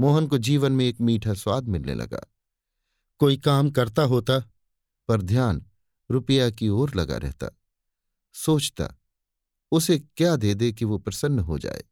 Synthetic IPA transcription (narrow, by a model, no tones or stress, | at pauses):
moːɦənkod͡ʒiːʋənmẽeːkmiːʈʰaswaːd̪ʱmɪlnḛlɐ̰ɡa̰ː | koːikaːmkɐɾt̪aɦoːt̪a | pɐɾd̪ʱjaːn | ɾʊpəjakioːɾlɐɡa̰ɾʔɛ̰ɦt̪a̰ː | soːt͡ʃt̪a̰ | ʊsekjaːd̪eːd̪ekiʋopɾɐsənːɦo̰d͡ʒa̰ːḛː